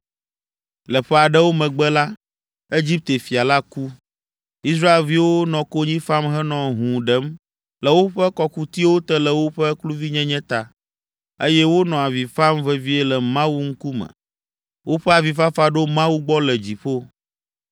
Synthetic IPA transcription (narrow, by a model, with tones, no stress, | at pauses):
lə˨ɸɛ˦a˨ɖɛ˦wo˦mɛ̃˨ɡ͡bɛ˦la˦ | e˦d͡ʑi˦p̚t̪e˨fi˨a˨la˦ku˦ | i˦s̬ɾa˦e˨lvi˦wo˦nɔ̃˨ko˦ɲĩ˦fa˦mɦɛ˦nɔ̃˨ɦũ˨ɖɛ˦m | lɛ˨wo˦ɸɛ˦kɔ˦ku˦t̪i˦wo˦t̪ɛ˦lɛ˨wo˦ɸɛ˦klu˦vi˦ɲɛ̃˦ɲɛ̃˦t̪a˨ | e˦jɛ˦wo˦nɔ̃˨a˨vi˨fa˦mvɛ˦vi˦e˦lɛ˨mã˦wu˦ŋ̩˦ku˦mə̰̃˨ | wo˦ɸɛ˦a˨vi˨fa˦fa˦ɖo˦mã˦wu˦ɡ͡bɔ˦lɛ˨d͡ʑi˨ɸo˦